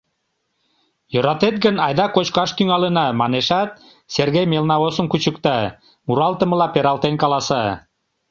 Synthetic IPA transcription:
jøɾɑt̪et̪̚ɡənɑjd̪ɑkot͡ɕkɑʃt̪yŋɑlənɑmɑneʃɑt̪̚ | serɣejmelnɑosənkut͡ɕəkt̪ɑ | muɾɑlˠt̪ə̆mə̆lɑpeɾɑlˠt̪enkɑlɑsɑ

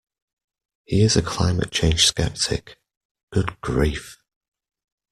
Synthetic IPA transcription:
hiɪzəkʰl̥aɪ̃mə̰t̚t͡ʃʰẽɪ̃nʒ̥skɛ̰p̚tʰɪ̰k | ɡ̥ʊd̚ɡ̥ɹiˑf

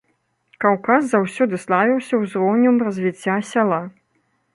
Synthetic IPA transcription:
kawkaszawsʲɔd̪ɨslˠavʲiwsʲɐwzɾɔwnʲumrɐzʲvʲit͡sʲːasʲalˠa

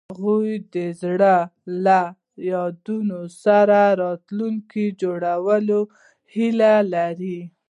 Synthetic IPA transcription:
aɣujd̪əzɽəla | jɑd̪unosaɾaɾɑt̪luŋkid͡ʒoɽawəlo | hilalaɾi

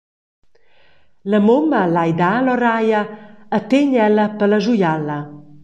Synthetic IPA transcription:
ləmoməlajd̪aːlɔɾajəət̪eɲɛləpələʒujalə

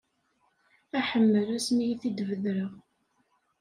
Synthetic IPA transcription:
æħəmːəɾæsmijiθid̪vəðɾəʁ

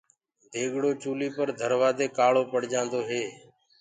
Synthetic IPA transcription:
d̪ʱeːɠɽoːt͡ʃuːliːpəɾd̪ʱəɾʋaːd̪eːkaːɭoːpəɽd͡ʒãːnd̪oːɦeː

